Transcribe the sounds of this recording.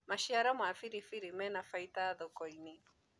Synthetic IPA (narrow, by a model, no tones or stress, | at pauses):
maʃiaɾamwafiɾifiɾimɛnafaitaðɔkɔini